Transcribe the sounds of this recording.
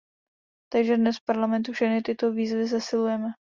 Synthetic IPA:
t̪aɡʒɛdnɛsfpaɾlamɛnt̪ufʃɛxnɪt̪ɪt̪o̞viːzvɪs̬ɛsɪlujɛmɛ

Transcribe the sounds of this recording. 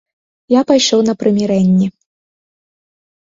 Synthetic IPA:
japajʂɔwnɐpɾɨmʲiɾɛnʲːi

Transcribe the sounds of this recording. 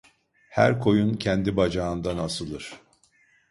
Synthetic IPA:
hæ̰ɾkʰo̞juncʰɛnd̪ibad͡ʒaɯnd̪anasɯlˠɯɾ̥

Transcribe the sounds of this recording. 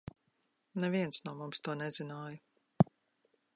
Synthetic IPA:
nɛviɛnt̪snuːmumst̪uɔnɛzinaːju

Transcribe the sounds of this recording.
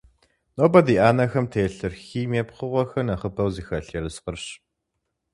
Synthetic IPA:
noːbɐdiːʔaːnɐxɐmtʰeːɬɨrxiːmeːpχəʁʷɔxɐnaχəpʰɐwziːxɐɬerɨsqərɕ

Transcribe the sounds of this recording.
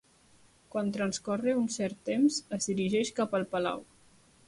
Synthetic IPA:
kwant̪ɾənskɔreunsɛɾt̪ːemzəzðiɾiʒɛʃkapəlˠpəla̰w

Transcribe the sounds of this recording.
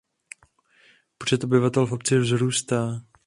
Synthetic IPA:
pr̥ɛt̪ʔobɪvat̪ɛlfo̞p̚t͡sɪvzɾuːst̪aː

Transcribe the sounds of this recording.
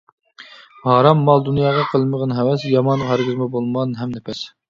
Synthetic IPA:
mɑhɾɑmːɑlˠd̪unjɑːʁɑqʰəlˠməʁɑnɦɛwɛsjɑmɑnʁɑɾɡʲɨzmɑbolˠmɑnɦɛmnɛpʰɛs

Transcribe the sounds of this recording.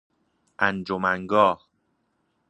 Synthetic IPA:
ʔænd͡ʒomæŋɡɒːh

